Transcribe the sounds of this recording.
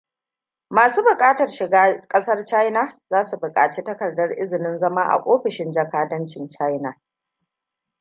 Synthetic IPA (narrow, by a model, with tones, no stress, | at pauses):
maː˨suː˦bʊ˨kʼaː˦tɐ˨rʃɪ˨ɡaː˦kʼɐ˦sɐ˦rt͡ʃa˦jna˨zaː˦su˨bʊ˨kʼaː˨t͡ʃi˦tɐ˦kɐ˨rdɐ˦rʔɪ˦zɪ˨nɪ˦nzɐ˦maː˦ʔa̰˨ʔʷʼoː˦ɸɪ˨ʃɪ˦nd͡ʒɐ˨kaː˦dɐ˦nt͡ʃɪ˨nt͡ʃa˦jna˨